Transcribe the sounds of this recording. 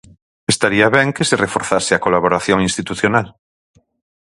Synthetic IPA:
est̪aɾiaβɛŋkeserefoɾθaseakolaβ̞oɾaθjoŋĩnst̪it̪uθjonal

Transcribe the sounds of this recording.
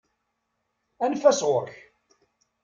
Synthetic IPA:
ænfæsʁoɾç

